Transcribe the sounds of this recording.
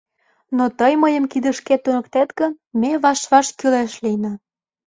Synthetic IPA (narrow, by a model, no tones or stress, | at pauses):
not̪əjməjə̆mkid̪ə̆ʃket̪unə̆kt̪et̪ɡə̆n | meβɑʃβɑʃkyleʃlijnɑ